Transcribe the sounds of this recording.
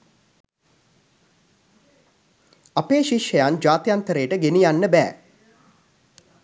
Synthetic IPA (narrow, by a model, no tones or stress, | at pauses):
apeːʃiʃjəjand͡ʒaːt̪əjant̪əɾeːʈəɡenijanːəbæ̰ː